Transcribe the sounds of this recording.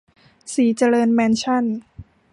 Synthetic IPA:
siː˩˦t͡ɕa˧ɾɤː˧nmɛː˧nt͡ɕʰa˥˩n

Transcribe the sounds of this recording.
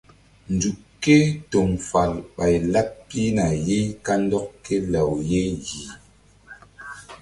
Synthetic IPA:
n˨du˨ | kːe˦to˨mfa˨lɓa˨jla˦p̚pi˦na˨je˦ka˦n̩˦dɔ˦k̚ke˦la˨wje˦ji˨

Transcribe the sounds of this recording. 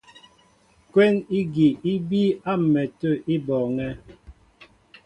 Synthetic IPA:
kwɛ˦ŋi˦ɡi˨i˦bi˦a˦m̩˨mɛ˨tə˦˨i˦bɔː˨ŋɛ˦

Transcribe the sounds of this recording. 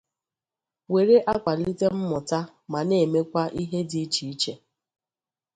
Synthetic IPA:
we˨ɾe˦ʔa˦kʷa˨li˦te˦m̩˦mʊ˨ta˦ | ma˨ne˦˨me˦kʷa˦ʔi˦ɦe˦di˦t͡ʃi˨i˦t͡ʃe˨

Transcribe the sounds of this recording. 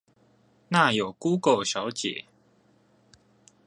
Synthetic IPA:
na˥˨jo˨˩ʊku˦kə˨˩ʊɕjɑ˧˦ʊt͡ɕjɛ̰˨˦

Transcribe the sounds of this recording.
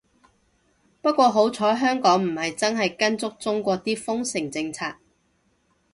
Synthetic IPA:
pɐ˥t̚kʷɔː˧ɦo˨˥wt͡sʰɔː˨˥ɦœː˥ŋkɔː˨˥ŋm̩˨˩hɐ˨jt͡sɐ˥nɦɐ˨jkɐ˥nt͡sʊ˥k̚t͡sʊ˥ŋkʷɔː˧t̪iː˥fʊ˥ŋsɪ˨˩ŋt͡sɪ˧ŋt͡sʰaː˧k̚

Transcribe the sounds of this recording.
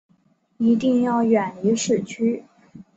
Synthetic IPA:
i˧˥t̪i˥˧ŋjɑ˥˩ʊɥɛ˨˩ni˧˥ʂɻ̩˥˩t͡ɕʰy˥

